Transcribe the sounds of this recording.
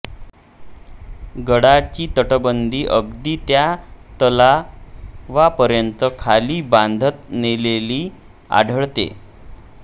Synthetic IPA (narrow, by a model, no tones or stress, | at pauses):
ɡəɽat͡ɕiːt̪əʈəbənd̪ʱiːʔəɡd̪iːt̪jat̪əla | ʋapəɾjənt̪əkʰaliːband̪ʱət̪̚neleliː | a̰ɖʱəɭt̪ḛ